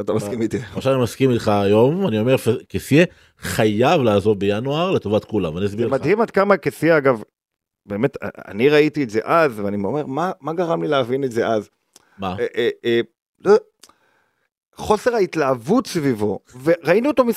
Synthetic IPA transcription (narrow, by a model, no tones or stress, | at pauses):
atamakimit̪iaʃaanimaskimitχaːjo̞mvanio̞meʁfekesje | χajavlaːzo̞vbejanuaʁle̞to̞vatkulamvaniasbiʁemadhimadkamakesieaɡav | be̞ːme̞ta̰a̰niʁaitietze̞ʔazveanimome̞ʁmamaɡaʁamlileavinetze̞ʔaz | maʔ | lo | χo̞se̞ʁhaitlaːvutsvivo̞ve̞ʁainuotomi